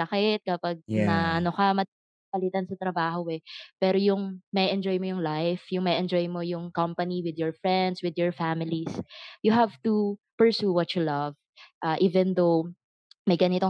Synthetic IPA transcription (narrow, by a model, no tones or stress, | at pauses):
ɐkɪt̪̚kɐpaɡ̚nɐʔɐnokɐmɐ | pɐlɪt̪ɐnsɐt̪ɾɐbaːhoʔɛpɛːɾojʊŋmɐʔɛʔɛnd͡ʒojmojʊŋlajfjʊŋmɐʔɛnd͡ʒɔjmojʊŋkɐmpɐniwɪd̪jɔɹfɹɛnd̪swɪd̪jɔɹfamɪlisjʊɦavt̪u | pɛɹsuwɔtt͡ʃʊlɐv̥ | ʔaːʔiːvɛnd̪ow | mɐjɡɐnɪt̪o